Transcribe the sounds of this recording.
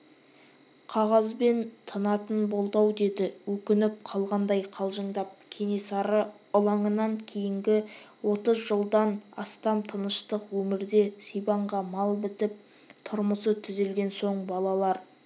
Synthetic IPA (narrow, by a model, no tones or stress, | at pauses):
qʰɑʁɑzbe̞nt̪ʰənɑt̪ənbo̞lˠd̪ɑwd̪e̞d̪ɪwɵkʲɪnɪp̚qʰɑlˠʁɑnd̪ɑjqʰɑlˠʒəɴd̪ɑp̚kʲʰe̞ne̞sɑɾə | ʊlˠɑɴənɑŋkʲʰe̞jɪŋɡʲɪwo̞t̪əzʒəlˠd̪ɑnɑ̰st̪ɑmt̪ʰənəʃt̪əqwɵmɪɾd̪e̞sijbɑɴʁɑmɑlˠbɪt̪ɪp̚ | t̪ʰʊɾməsət̪ʰʏze̞lɡʲe̞nso̞ɴbɑlˠɑlˠɑɾ